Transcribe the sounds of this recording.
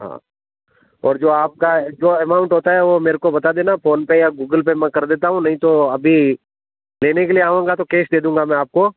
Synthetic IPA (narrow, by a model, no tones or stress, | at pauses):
ɦa̰ː | ɔ̰ːɾd͡ʒoːaːp̚kad͡ʒoːɛmaːʊ̃ɳʈɦoːt̪aɦɛʋomeːɾekobɐt̪ad̪eːnafoːnpejaɡuːɡəlp̬emɛ̃kɐɾd̪eːt̪aɦũnɐɦĩt̪oɐbʱi | leːnekelieaːʋẽːŋɡat̪okeːsd̪eːd̪ũːŋɡamɛ̃aːp̚ko